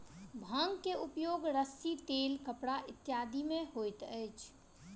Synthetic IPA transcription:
bʱəŋɡkeupjoɡɾəsit̪elkəpɽaʔit̪ːjad̪ʱimeɦojt̪əjt͡ʃʰ

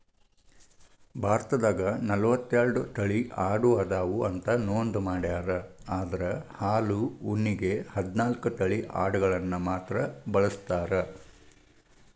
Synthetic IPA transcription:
bʱaːɾt̪ɐd̪aːɡɐnɐlɐʋɐt̪ːeɾɐɖut̪ɐɭiʔaːɽuaːd̪aːʋuɐnt̪ɐnoːnd̪umaːɽjaːɾɐaːd̪ɐɾɐhaːluunːiɡehɐd̪naːlkut̪ɐɭiʔa̰ːɽɐɡɐɭɐnːumaːt̪ɾɐbɐɭɐst̪aːɾɐ

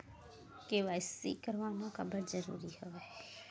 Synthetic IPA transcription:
keʋaɪsːḭkəɾʋaːnõkabəɾzəɾṵːɾihoʋeɦɛ

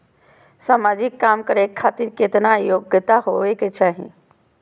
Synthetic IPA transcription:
samaːd͡ʒikːaːmkəɾekʰːaːt̪iɾket̪najoːɡət̪aɦoʋeket͡ʃʰaːɦḭ̃

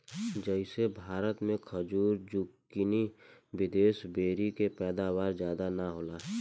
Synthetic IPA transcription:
d͡ʒəɪsebʱaːɾət̪mẽkʰəd͡ʒuːɾd͡ʒuːkː | ɪniwɪd̪eːsbeːɾikepɛːd̪aːwaːɾzjaːd̪anaɦoːlaː

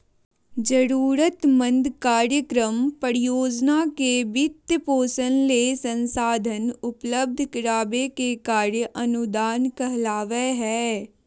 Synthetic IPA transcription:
d͡ʒəɾuːɾət̪mə̃nd̪kaːɾjəkɾəmpəɾijoːd͡ʒnakebɪt̪poːsənleːsə̃nsaːd̪ʱənʊpləb̚d̪ʱkɪɾaːbekekaːɾjəʔɐnʊd̪aːnkəɦlaːʋeɦɛː

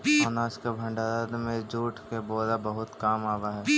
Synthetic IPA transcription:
ɔnaːskabʱə̃ɳɖaɾad̪mẽd͡ʒuːʈʰkeboːd̪abəɦʊt̪kaːmaːʋaɦɛː

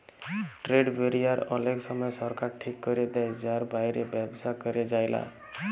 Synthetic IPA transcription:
ʈɾeɖbʱeɾijaɾʌ̰leɡsʌmʌjsʌɾkaɾʈʰikːʌɾed̪ejd͡ʒaɾbajɾebjebsakɔɾed͡ʒajla̰

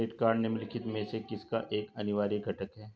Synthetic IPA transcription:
eːʈkaːɾɖnemɪlɪkʰɪt̪mẽsekɪskaʔeːkɐnɪʋaːɾiɡʱɐʈəkɦɛː

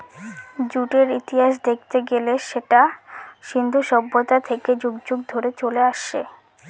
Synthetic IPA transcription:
d͡ʑuʈeɾit̪iɦaʃ̬d̪ek̚ʰt̪eɡeleʃeʈaʃind̪ʱuʃɔbːot̪at̪ʰeked͡ʑoɡd͡ʑuɡd̪ʱoɾet͡ɕoleaʃḛ

